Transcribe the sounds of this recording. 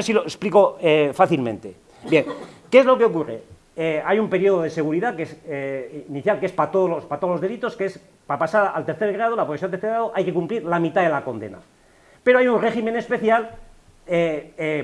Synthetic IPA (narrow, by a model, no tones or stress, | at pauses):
esiloespliko̞efaθilmḛ̃nt̪e̞ | bje̞ŋkeezlo̞keo̞kure̞̰ | eajumpe̞ɾjio̞ð̞oðe̞se̞ɣuɾiðakesː | niθjalkee̞spat̪oðolospat̪oloðelit̪o̞skees | papasaɾa̰lt̪eɾθe̞ɾɣɾað̞o̞lapɾoɣsjoat̪eɾθeɣɾaðoʔajke̞kumpliɾlamit̪aðe̞lako̞nd̪e̞̰na̰ | pe̞ɾoajunre̞ximene̞spe̞θjal | ee